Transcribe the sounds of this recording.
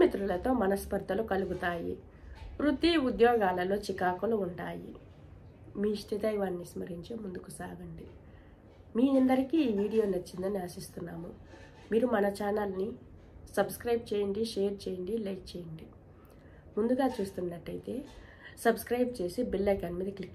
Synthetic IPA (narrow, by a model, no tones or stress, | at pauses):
mit̪ɾulɐt̪o̞ːmɐnɐspɐɾd̪ʱɐlukɐluɡut̪aːjḭ | ɾud̪iːud̪jɔːɡaːlɐlo̞ːt͡ʃikaːkuluuɳʈaːjḭ | miːʂʈ̪ʰid̪ɐjʋaːnːismɐɾiɲt͡ʃimund̪ukusaːɡɐɳɖi | miːɐnd̪ɐɾikiːʋiːɽijoːnɐt͡ʃːind̪ɐːniasist̪unːaːmu | miːɾumɐnɐt͡ʃaːnɐlni | sɐbskɾɐjb̚t͡ʃeːjɐɳɖiʃeːɾt͡ʃeːjɐɳɖilɐjk̚t͡ʃeːjɐɳɖi | mund̪uɡaːt͡ʃuːst̪unːɐʈːɐjt̪e̞ːsɐbskɾɐjb̚t͡ʃe̞ːsibilːɐkɐnmiːd̪ɐklikː